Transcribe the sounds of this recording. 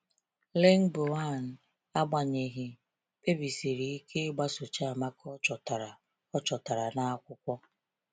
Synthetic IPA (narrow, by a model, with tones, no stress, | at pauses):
le˦ŋ̩˦bo˨a˦˨n̩˨ | a˦ɡ͡ba˨ɲe˨ɦɪ˨ | pe˦bi˨si˨ɾi˨i˦kʰe˦ɡ͡ba˦so˨t͡ʃa˦a˨ma˦kɔ˦t͡ʃɔ˨ta˨ɾa˨ | ɔ˦t͡ʃɔ˨ta˨ɾa˨na˦a˦kʷʊ˦kʷɔ˦